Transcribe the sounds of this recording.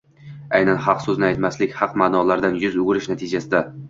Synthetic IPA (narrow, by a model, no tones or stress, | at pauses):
ajnanhɑqsɵznɪajt̪maslɪkʲhɑqmaːnɒlaɾd̪anjʊzʊɡɪɾɪʃnat̪ʰɪd͡ʒasɪd̪a